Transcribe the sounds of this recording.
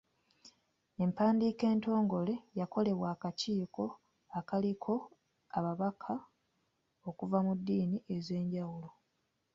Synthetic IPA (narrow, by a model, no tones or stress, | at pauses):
e̞mpaːndiːke̞ːnto̞ːŋɡo̞le̞jako̞le̞βwaːkaciːko̞ | akalikʰo̞ | aβaβakʰa | o̞kuvamudːiːniʔe̞ze̞ːɲɟawulo̞